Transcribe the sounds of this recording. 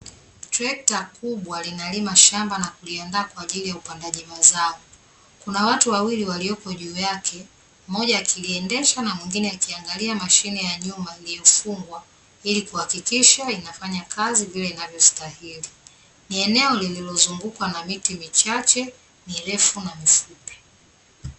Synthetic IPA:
tɾɛk̚takuɓwalinalimaʃambanakuliandaːkwaːʄilijaupandaʄimazaɔ | kunawatuwawiliwaliɔkɔʄuːjakʰɛ | mɔʄaːkʰiliɛndɛʃanamwiŋɡinɛakiaŋɡaliamaʃinijaɲumailijɔfuŋɡwa | ilikuhakikiʃainafaɲakʰazivilɛinavjɔstahili | niɛnɛɔlililɔzuŋɡukwanamitimit͡ʃat͡ʃɛ | niɾɛfunamifupɛ̥

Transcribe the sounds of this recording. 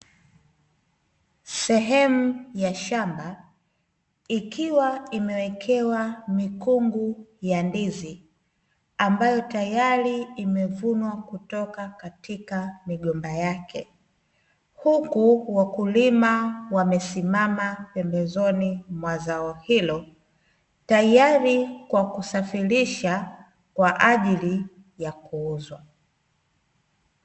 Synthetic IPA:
sɛɦɛmujaʃamba | ikiwaimɛwɛkʰɛwamikuŋɡujandizi | ambajɔtajaɾiimɛvunwakutɔkakatikamiɠɔmbajakʰɛ | hukuwakulimawamɛsimamapɛmbɛzɔnimwazaɔhilɔ | tajaɾikwakusafiɾiʃa | kwaʔaʄili | jakuuzwa

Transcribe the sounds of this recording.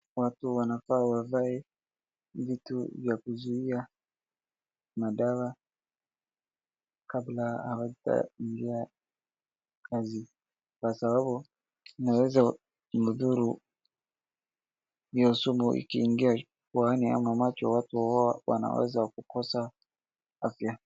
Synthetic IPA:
watuwanakawavaɛ | vitṵvjakuzuia | maɗawa | kablahawaita̰iŋɡia | kazi | kwasabaɓu | nawɛza | muðuɾu | jausumuʔḭkiːŋɡia | kuania̰mamat͡ʃɔwatuɔawa̰na̰wɛ̰zakukɔsa | afja

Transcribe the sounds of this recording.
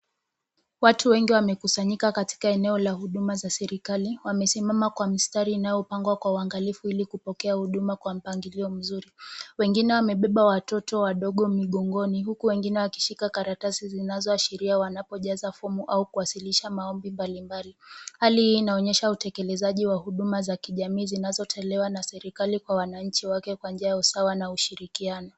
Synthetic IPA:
watuwɛŋɡiwamɛkusaɲikakati̥kaɛnɛɔlahuɗumazasɛɾikaliwamɛsimamakwamistaɾiːnajɔpaŋɡwakwauaŋɡalifuilikupɔkɛahuɗumakwam̩paŋɡiliɔm̩zuɾiwɛŋɡinɛwamɛɓɛɓawatɔtɔwaɗɔɠɔmiɠɔŋɡɔniɦukuwɛŋɡinɛwaki̥ʃikakaɾatasizinazɔaʃiɾiawanapɔʄazafɔmuʔaukuwasiliʃamaɔmbimbalimbalihalihiːnaɔɲɛʃautɛkɛlɛzaʄiwahuɗumazakiʄamiːzinazɔtʰɛlɛwanasɛɾikalikwawanaɲt͡ʃiwakɛkwanɲd͡ʒiajausawanauʃiɾikianɔ

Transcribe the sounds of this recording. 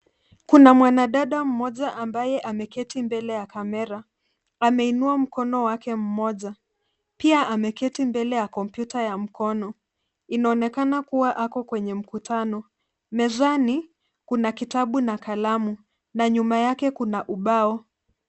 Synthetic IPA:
kunamwanaɗaɗam̩mɔʄaʔambajɛʔamɛkɛtimbɛlɛjakamɛɾa | amɛinuam̩kɔnɔwakɛm̩mɔʄa | piaʔamɛkɛtimbɛlɛjakɔmpjutajam̩kɔnɔ | inaɔnɛkanakuwaʔakɔkwɛɲɛm̩kutʰanɔ | mɛzani | kunakitaɓunakalamu | naɲumajakɛkunaʔuɓaɔ

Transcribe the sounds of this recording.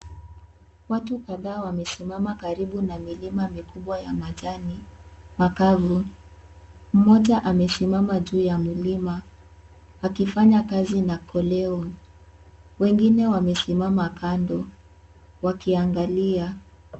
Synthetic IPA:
watukaðaːwamɛsimamakaɾiɓunamilimamikuɓwajamaʄanimakavu | m̩mɔʄaʔamɛsimamaʄuːjamulima | akifaɲakazinakʰɔlɛɔ | wɛŋɡinɛwamɛsimamakandɔ | wakiaŋɡalia

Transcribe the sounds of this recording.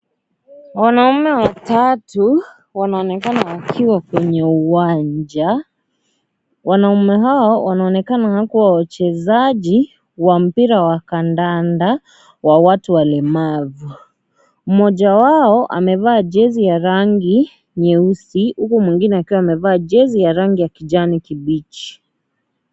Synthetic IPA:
wanaumɛwatatu | wanaɔnɛkanaːkʰiwakwɛɲɛuwaɲd͡ʒa | wanaumɛɦaɔwanaɔnɛkanahakuwawat͡ʃɛzaʄi | wam̩piɾawakandanda | wawatuwalɛmavu | mɔʄawaɔʔa̰mɛvaːʄɛzijaɾaŋɡi | ɲɛusihukumwiŋɡinɛakiwaːmɛvaːʄɛzijaɾaŋɡijakiʄanikiɓit͡ʃi̥

